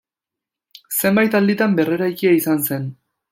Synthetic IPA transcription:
se̞mbajt̪ald̪it̪ambe̞re̞ɾajkiaisanse̞n

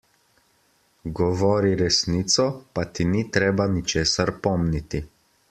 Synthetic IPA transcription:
ɡɔʋɔːɾiɾɛsniːt̪sɔpat̪init̪ɾeːbanit͡ʃeːsaɾpɔmnit̪i

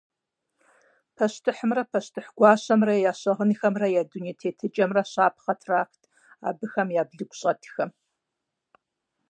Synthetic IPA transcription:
pʰɐɕtʰɨħəmrɐpʰɐɕtʰɨħɡ̥ʷɑːɕɐmrɐjaːɕɐʁənixɐmrɐjaːduniːtʰeːtʰɨt͡ʃʼɐmrɐɕaːp̚ʰχɐtʰraːxtʰ | a̰ːbɨxɐmjaːbɮɨɡʷɕʼɐtʰxɐm

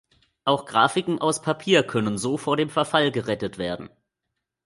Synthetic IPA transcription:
ʔaʊxɡ̥ʁaːfɪkŋ̩ʔaʊspʰapʰiːɐkʰœnənzoːfoːɐɾeːmfɛɐfalɡəʁɛtətv̥eːɐdn̩

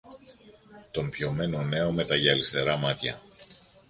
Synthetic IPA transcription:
t̪o̞mpço̞me̞no̞ne̞o̞me̞t̪ɐʝɐːlist̪e̞ɾɐmɐt̪çɐ̰

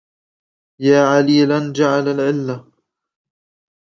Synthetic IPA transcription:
jaːʕaliːland͡ʒaʕalalʕɪlːa

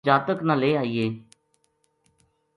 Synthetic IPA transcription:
d͡ʒaːt̪əknəleːaːiːeː

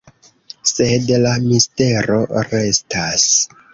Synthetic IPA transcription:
se̞dlamiste̞ɾo̞̰ɾe̞stas

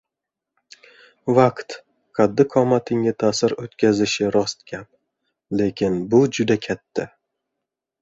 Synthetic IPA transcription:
vaqt̪ | kʰad̪ːɪqʰɒmat̪ʰɪŋɪt̪ʰaːsɪɾot̪kʲazɪʃɪɾɒst̪̚kʲʰap | le̞kʲʰɪnbʊd͡ʒʊd̪akʲʰat̪ʰːa

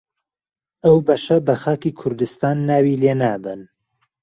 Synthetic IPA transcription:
ʔɐwbɐʃɐbɐxaːkikʰʊɾd̪ɨst̪aːnːaːwiːleːnaːbɨn

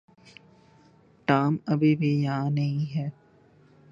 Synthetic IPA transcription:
ʈaːmɐbebʱijɐɦãnɐɦĩɦɛː

